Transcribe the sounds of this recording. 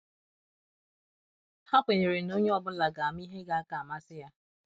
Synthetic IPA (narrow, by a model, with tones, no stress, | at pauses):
ha˦pʷe˨ɲe˨ɾe˨no˦ɲe˦ɔ˨bʊ˦la˨ɡa˨a˨m˦i˦ɦe˦ɡa˦a˦ka˨a˨ma˦sɪ˦ja˦